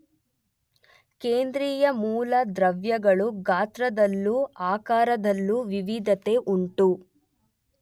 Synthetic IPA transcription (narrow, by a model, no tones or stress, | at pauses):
keːnd̪ɾiːjɐmuːlɐd̪ɾɐʋjɐɡɐɭuɡaːt̪ɾɐd̪ɐlːuaːkaːɾɐd̪ɐlːuʋiʋid̪ʱɐt̪e̞ʔuɳʈu